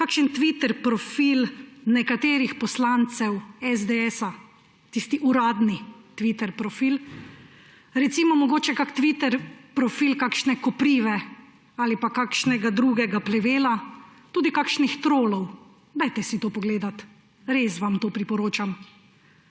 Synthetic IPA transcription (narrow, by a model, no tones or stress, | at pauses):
kakʃənt̪ʋit̪ɛɾpɾɔfilnɛkat̪eːɾixpɔslant̪sɛwɛzd̪eɛsa | t̪ist̪iʔuɾaːd̪nit̪ʋit̪ɛɾpɾɔfiːl | ɾɛt̪siːmɔmɔɡoːt͡ʃɛkakt̪ʋit̪ɛɾpɾɔfiːlkakʃnɛkɔpɾiːʋɛ | aːlipakakʃnɛɡad̪ɾuɡɛɡaplɛʋeːlat̪uːd̪ikakʃnixt̪ɾoːlɔw | d̪ajt̪ɛsit̪oːpɔɡleːd̪at̪ | ɾesʋamt̪oːpɾipɔɾoːt͡ʃam